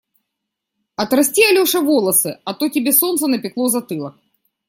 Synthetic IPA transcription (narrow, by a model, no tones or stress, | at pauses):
ɐt̪ɾɐsʲtʲiɐlʲoʂɐvolˠəsɨɐt̪otʲɪbʲesont̪sənɐpʲɪklˠozɐt̪ɨlˠɐx